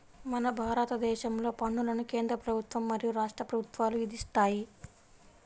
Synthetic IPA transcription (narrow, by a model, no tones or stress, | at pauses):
mɐnɐbʱaːɾɐt̪ɐd̪ɛːʃɐmlo̞ːpɐɳːulɐnuke̞ːnd̪ɾɐpɾɐbʱut̪ʋɐmːɐɾijuɾaːʂʈɾɐpɾɐbʱut̪ʋaːluʋid̪ist̪aːji